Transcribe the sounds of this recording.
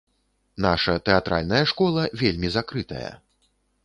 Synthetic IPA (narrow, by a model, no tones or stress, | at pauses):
naʂɐt̪ɛat̪ɾʔa̰lʲnɐjɐʂkɔlˠɐvʲelʲmʲizakɾɨt̪ɐ̰jɐ̰